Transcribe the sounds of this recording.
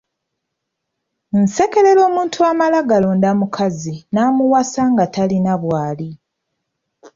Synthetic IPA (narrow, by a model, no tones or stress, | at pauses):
n̩se̞ke̞le̞ɾo̞ːmuːntʰuamalaɡalo̞ndamukʰazinaːmuwasaŋɡatalinaβwaːli